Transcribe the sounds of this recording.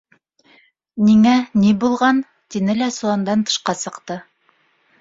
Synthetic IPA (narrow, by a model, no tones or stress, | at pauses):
niŋænibulˠʁɑn | t̪inɘlæsuɑnd̪ɑnt̪ɤ̥̆ʃqɑsɤ̆qt̪ɤ